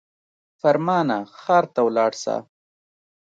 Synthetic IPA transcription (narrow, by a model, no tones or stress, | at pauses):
faɾmɑːnaxɑːɾt̪awlɑːɽsa̰ː